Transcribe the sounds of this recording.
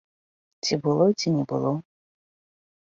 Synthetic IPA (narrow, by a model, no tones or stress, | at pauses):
t͡sʲibɨlˠɔt͡sʲinʲɛbɨ̰lˠɔ